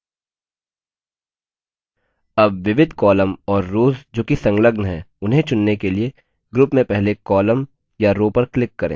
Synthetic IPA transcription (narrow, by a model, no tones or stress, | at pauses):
ɐbʋɪʋɪd̪ʱkɔːləmɔːɾːoːzd͡ʒoːkisɐ̃ŋɡləɡnɦɛːʊnɦẽt͡ʃʊnːekelie | ɡɾʊpmẽpɛɦlekɔːləm | jaɾoːpɐɾklɪkːɐɾḛ̃ː